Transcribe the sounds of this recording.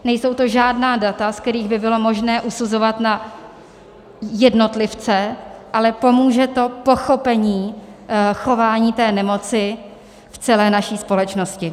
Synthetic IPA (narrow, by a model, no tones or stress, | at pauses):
nɛjso̞wt̪o̞ʒaːdnaːdat̪askt̪ɛɾiːɣbɪbɪlo̞mo̞ʒnɛːʔusuzo̞vat̪na | jɛdno̞t̪lɪft͡sɛʔalɛpo̞muːʒɛt̪o̞po̞xo̞pɛɲiː | xo̞vaːɲiːt̪ɛːnɛmo̞t͡sɪ | ft͡sɛlɛːnaʃiːspo̞lɛt͡ʃno̞scɪ